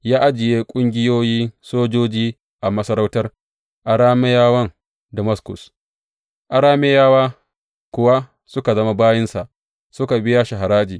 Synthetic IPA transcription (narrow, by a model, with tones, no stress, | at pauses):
jaː˦ʔa˦d͡ʒɪ˨jeː˦kʷʼʊ˦ŋɡʲɪ˦joː˦jiː˦soː˦d͡ʒoː˦d͡ʒiː˦ | ʔa˨mɐ˦sɐ˦ɾa˦wtɐ˦r | ʔa˨ɽaː˦me˦jaː˦wɐ˦ŋ | dɐ˨mɐ˦skʊ̰˨s | ʔa˨ɾaː˦me˦jaː˦waː˦ | kʷʊ˨wa˦ | sʊ˦ka˨zɐ˦ma˦baː˦jɪ˦nsa˨ʔ | sʊ˦ka˨bɪ˦jaː˦ʃɐ˨ɦa˨ɾaː˦d͡ʒiː˨